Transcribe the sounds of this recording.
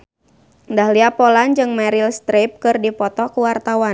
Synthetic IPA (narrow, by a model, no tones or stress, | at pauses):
ndahliapɔland͡ʒɨŋmɛɾilst̪ɾep̚kɨrdipɔt̪ɔkuwart̪awa